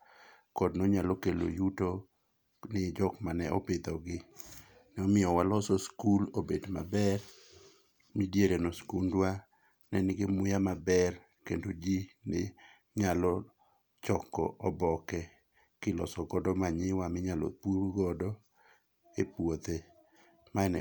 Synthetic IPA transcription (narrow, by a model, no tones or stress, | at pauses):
kɔdnoɲalokelo̰juto | nɪd͡ʒɔkmanɛʔɔpɪt̪ɔɡɪ | nɛɔmɪjɔwalɔsɔskulobedma̰bɛr | midjeɾenoskundwa | nɛnɪɡɪmʊjamabɛr | kendod͡ʒinɪ | ɲalɔ | t͡ʃɔkːɔ̰ʔɔbɔkɛ | kɪlɔsɔɡɔdɔmaɲɪwamɪɲalɔ̰puɾɡɔdɔ | epwot̪e | maɛnɛ